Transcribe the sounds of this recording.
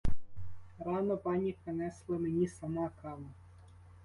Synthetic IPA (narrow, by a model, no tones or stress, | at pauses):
ɾɑmɐpɑnʲipɾenɛslˠɐmenʲisɐmɑkɑlˠɐ